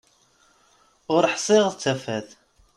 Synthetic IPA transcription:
ʊɾħsˤɪʁt͡sːæfæð

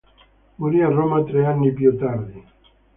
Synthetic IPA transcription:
muɾiaromat̪ɾeanːipjut̪aɾd̪i

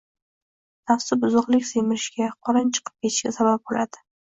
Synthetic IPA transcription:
t̪ʰafsɪbʊzʊqlˠɪkʲsemɪɾɪʃɡʲaqʰɒɾɪnt͡ʃʰɨ̥qʰɨ̥p̚kʲʰeʃkʲa̰sabap̚bolad̪ɪ̥

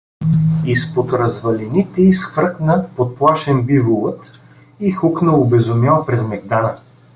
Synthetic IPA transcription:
ispot̪ɾɐzvɐlinit̪ɛisxvɾəknəpot̪̚plˠaʃɛnbivolˠət̪ | ixʊknəobɛzʊmʲjalˠpɾɛzmɛɡd̪anə

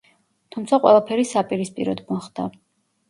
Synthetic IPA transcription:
t̪ʰumt̪sʰaqʼwɛ̰lˠapʰɛɾisapʼiɾispʼḭɾɔd̪mɔχd̪a

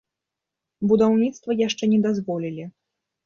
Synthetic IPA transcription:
bud̪awnʲit̪st̪vɐjaʂt͡ʂɛnʲɛd̪azvɔlʲilʲi

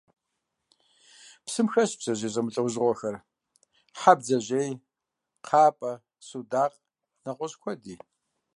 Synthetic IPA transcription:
psɨmxɐɕbz̥ɐʑeːzʼɐmɨɬʼɐwzʁʷɔxɐr | ħab̚d͡zɐʑej | qʰaːpʼɐ | sudaːqʼ | nɐqʷʼɔɕkʷʰɔdiː

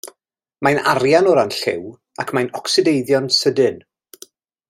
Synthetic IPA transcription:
majnaɾjanɔɾanɬɪ̰w | akʰmajnɔksɨdejðjɔnsədɨn

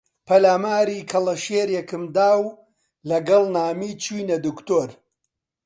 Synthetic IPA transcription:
pʰɐlaːmaːɾiːkʰɐlˠɐʃeːɾjɛkɨmd̪aːw | lɐɡɐlˠnaːmiːt͡ʃʰiːnɐd̪ukt̪oːɾ

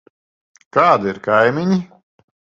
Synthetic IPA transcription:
kaːd̪iiɾkajmʲiɲi

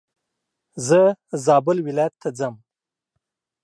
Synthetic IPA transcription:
zəzɑbʊlwɪlɑjat̪ʰːad͡zəm

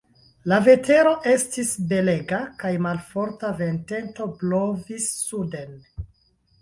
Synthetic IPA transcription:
lave̞te̞ɾo̞ʔe̞stisbe̞le̞ɡakajmalfo̞ɾtave̞nte̞nto̞blo̞visːude̞n

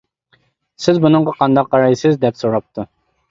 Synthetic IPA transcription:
sɪzbunɨɴʁɑqʰɑnd̪ɑq̚ːɑɾɑjsɪzd̪ɛpsoɾɑp̚t̪ʰu

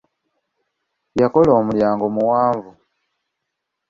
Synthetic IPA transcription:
jako̞loːmuljaːŋɡomuwaːɱvu

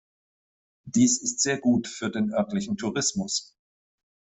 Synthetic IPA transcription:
d̥iːsɪstz̥eːɐɡuːtfyːɐdeːnʔœɐtlɪçn̩tʰuʁɪsmʊs

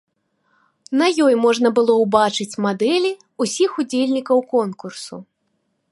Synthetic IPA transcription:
nɐjɔjmɔʐnɐbɨlˠɔwbat͡ʂɨt͡sʲmad̪ɛlʲi | usʲixud͡zʲelʲnʲikɐwkɔnkursṵ

